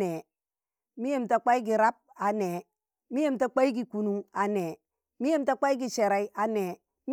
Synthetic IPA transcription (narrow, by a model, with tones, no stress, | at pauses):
e˨ | mi˦je˦˨mta˨k͡pa˦i˦ɡi˨ɾa˦p̚a˨ne˨ | mi˦je˦˨mta˨k͡pa˦i˦ɡi˨ku˨nu˨ŋa˨ne˨ | mi˦je˦mta˦k͡pa˦i˦ɡi˨ʃe˨ɾa˨i˦ʔa˨ne˨ | m